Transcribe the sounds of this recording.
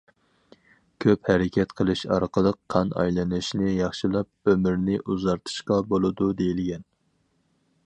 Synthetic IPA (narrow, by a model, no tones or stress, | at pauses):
kʲʰøphɛɾɪkʲʰɛt̪qʰəlˠɨʃɑ̰ɾqʰəlˠəqʰːɑnɑ̰jlˠɨnɨʃnɪjɑχʃilˠɑp̚ømɪɾnɪʔuzɑɾt̪ʰɨ̥ʃqɑbolˠɨd̪ud̪ejilɡʲɛn